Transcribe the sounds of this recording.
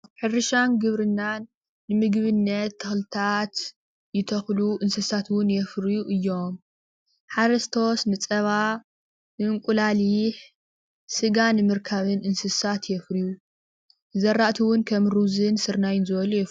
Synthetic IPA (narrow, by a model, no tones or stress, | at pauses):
ħɨɾɨʃanɡɨβɾɨnːanː | ɨmɨɡβɨnːɐt̪ʰːɐxlɨt̪ʰat̪ | jɪt̪ʰɐxluʔɨnsɨsat̪wʊnjɛfɾijuʔɨjːo̞m | ħaɾɐst̪ʰo̞snɨt͡sʼɐβa | nɨɨŋkʷʼulaliħ | sɨɡanɨmɨɾkʰɐβɨnʔɨnsɨsat̪jɛfɾiju | zɐrːaʔt̪ʰiwʊnkʰɐmɾuzɨnsɨɾnajɪnzɨβɐlujɛf